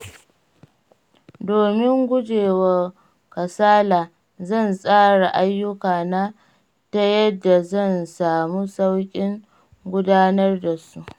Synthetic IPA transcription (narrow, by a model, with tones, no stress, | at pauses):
doː˨mɪ˦ŋɡʷʊ˦d͡ʒeː˨wɐ˨ | kɐ˨saː˦laː˨ | zɐ˦˨nsʼaː˦ɽa˨ʔa˦jːʊ˦kaː˨na˦ | ta˦jɐ˦dːa˨zɐ˦˨nsaː˨mu˦sa˦wkʲʼɪ˦ŋ | ɡʷʊ˦daː˦nɐ˦rda˨su˦ʔ